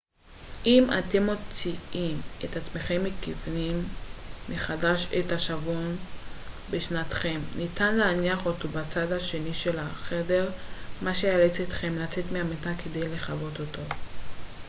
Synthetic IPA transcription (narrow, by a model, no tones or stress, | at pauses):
ʔima̰te̞mːo̞t͡siimet̪at͡sme̞χe̞mːikivnimː | eχadaʃetaʃavon | beʃnat̪χe̞mnitanleaniaχo̞to̞bat͡sadhaʃe̞niʃe̞laχe̞de̞ʁmaʃejalet͡set̪χe̞mlat͡se̞tmeametake̞de̞jle̞χavo̞t̪otʰo